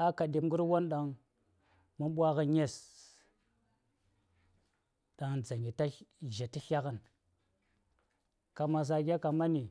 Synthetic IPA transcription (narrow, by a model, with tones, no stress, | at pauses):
a˦ka˨de˨m˦ɡu˦ɾwo˦nɗa˨ŋ | mu˦nɓʷa˦ɣə˦ɲe˦s | ɗa˨ŋd͡za˨ŋɡi˨ta˦ʒa˨ti˦ɬa˦ka˦n | ka˨ma˨s̬a˨ɡʲa˦ka˨ma˦ni˨